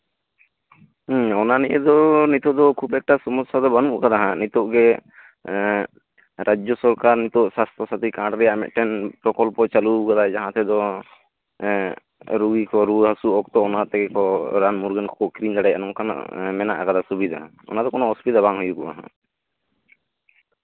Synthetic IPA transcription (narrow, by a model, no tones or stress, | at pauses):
ɔnaniʔɛd̪ɔnit̪ɔʔd̪ɔkʰubɛk̚ʈasɔmɔsad̪ɔbanuʔkad̪aɦãnit̪ɔʔɡɛ | ɾad͡ʒjɔsɔɾkaɾnit̪ɔʔsast̪ʰɔsat̪ikaɖɾɛjaʔmɛ̰ʔ̪ʈɛnpɾɔkɔlpɔt͡ʃaluɡad̪ad͡ʒaɦãt̪ɛd̪ɔ | ɾuɡikɔɾuɦasuɔk̚t̪ɔɔnat̪ɛkɛkɔɾanmuɾɡɛnkɔkɔʔkɾind̪aɽɛanɔŋkan̰mɛna̰ʔakad̪asubid̪ʱa̰ | ɔ̰nad̪ɔkɔnɔɔspit̪abaŋɦujukɔʔa̰ɦã̰